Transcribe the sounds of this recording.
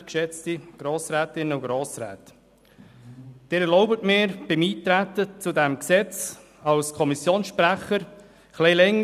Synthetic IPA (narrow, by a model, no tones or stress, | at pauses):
kʃɛt͡stiɡ̥ɾoːsɾɛːtɪnəʊɡɾoːsɾɛ̰ːt | d̥ɪːɾɛlɔʊbətmɪːɾb̥ɪmiːtɾætət͡sudɛmksɛt͡s | ɑlskʰɔmisjoːnsʃpɾæχəɾ | χlɛlɛŋ